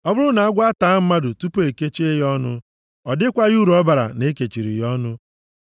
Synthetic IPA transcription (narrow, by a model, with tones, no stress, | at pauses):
ɔ˦bʊ˦ɾʊ˦na˨a˦ɡʷa˦ta˨˦m̩˦ma˦dʊ˨tu˦po˦e˨ke˦t͡ʃe˦e˦jɔ˦nʊ˦ | ɔ˨dɪ˦kʷa˦ju˦ɾu˨ɔ˦ba˨ɾa̰˨ne˦ke˨t͡ʃi˨ɾḭ˨jɔ˦nʊ˦